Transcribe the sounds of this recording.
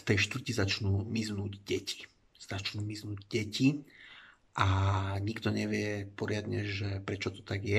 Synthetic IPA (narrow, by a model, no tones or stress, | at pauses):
ft̪ɛjʃt̪ʋr̩cizat͡ʃnuːmiznuːɟɟɛci̥ | z̥at͡ʃnuːmiznuːɟɟɛci | ʔaɲiɡt̪ɔɲɛʋɪɛpɔɾɪad̪ɲɛʒɛpɾɛt͡ʃɔt̪ɔ̥t̪aɡjɛ